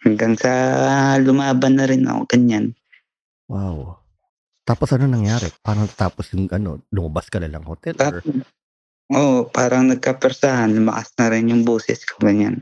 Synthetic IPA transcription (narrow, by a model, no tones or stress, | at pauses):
hɐŋɡaŋsɐlʊmaːbɐnːɐɾɪnʔɐ̰ko̰ɡ̥ɐɲan | waw | t̪aːposʔɐnonɐŋjaːɾɛpaːɾɐŋnɐt̪at̪aːposjʊŋʔɐno̞̰lʊmɐbaskɐlanɐŋhot̪ɛla | ʔoʔpaːɾɐŋnɐɡ̚kapɛɾsahanlʊmɐ̰ʔa̰snɐɾɪnjʊŋboːsɛ̰skʰɐɡɐɲa̰n